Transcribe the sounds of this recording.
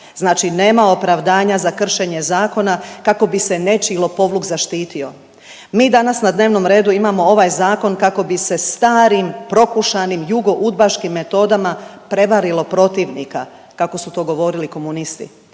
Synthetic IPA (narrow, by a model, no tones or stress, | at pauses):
znaːt͡ʃine̞ːmao̞pɾaʋd̪aːɲazakr̩ʃe̞ɲe̞zaːko̞nakako̞bise̞ne̞t͡ʃilˠo̞po̞ʋlukzaʃt̪iːt̪io̞ | miːd̪anasnad̪ne̞ːʋno̞mɾe̞ːd̪uimamo̞o̞ʋaːjzaːko̞nkako̞bise̞st̪aːɾimpɾo̞kuʃanimjuɡo̞ʔud̪̚baʃkimːe̞t̪o̞ːd̪amapɾe̞ʋaɾilo̞pɾo̞t̪iʋnḭka̰ | kako̞sut̪o̞ːɡo̞ʋo̞ɾiliko̞munist̪ḭ